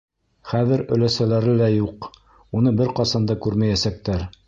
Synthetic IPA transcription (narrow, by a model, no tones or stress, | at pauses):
χæðɘɾɵ̆læsælæɾɘlæjuq | unɤbɘɾqɑsɑnd̪ɤkʉɾmæjæsæk̚t̪æɾ